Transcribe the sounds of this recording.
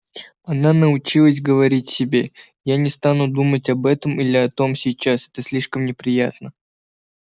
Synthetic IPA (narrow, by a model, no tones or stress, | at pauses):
ɐnanəʊt͡ɕilˠəsʲɡəvɐɾʲitʲsʲɪbʲe̞ | janʲɪst̪anʊd̪umətʲɐbɛt̪əmilʲɪɐt̪o̞msʲɪjt͡ɕasɛt̪əsʲlʲiʂkəmnʲɪpɾʲɪjat̪nə